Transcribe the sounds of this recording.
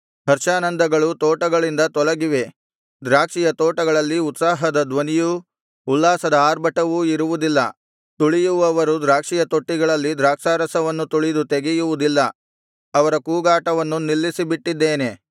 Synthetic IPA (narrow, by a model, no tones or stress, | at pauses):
ɦɐɾʃaːnɐnd̪ɐɡɐɭut̪ɔːʈɐɡɐɭind̪ɐt̪ɔlɐɡiʋe̞ | d̪ɾaːkʂijɐt̪ɔːʈɐɡɐɭɐlːiut̪saːɦɐd̪ɐd̪ʋɐnijuː | lːaːsɐd̪ɐaːɾbɐʈɐʋuiɾuʋud̪ilːɐ̰ | t̪uɭijuʋɐʋɐɾud̪ɾaːkʂijɐt̪oʈːiɡɐɭɐlːid̪ɾaːkʂaːɾɐsɐʋɐnːut̪uɭid̪ut̪eɡijuʋud̪ilːɐ | ɐʋɐɾɐkuːɡaːʈɐʋɐnːunilːisibiʈːid̪ːeːne̞